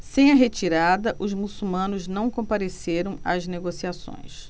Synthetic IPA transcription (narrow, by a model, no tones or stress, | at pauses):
sẽj̃ɐɦet͡ʃiɾad̪ɐʔʊzmusumɐ̃nʊznɐ̃w̃kõpaɾeseɾɐ̃w̃a̰zneɡosiasõ̰j̃s